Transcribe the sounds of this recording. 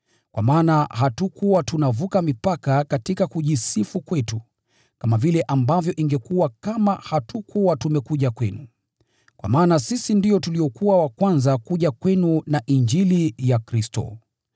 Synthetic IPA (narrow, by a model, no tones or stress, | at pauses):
kwa̰maːnaɦatukuwatunavukamipakakatikakuʄisifukwɛtu | kamavilɛʔambavjɔʔiŋɡɛkuwakamahatukuwatumɛkuʄakwɛnu | kwa̰maːnasisindiɔtuliɔkuwawakwanzakuʄakwɛnunaʔind͡ʒilijakɾistɔ̰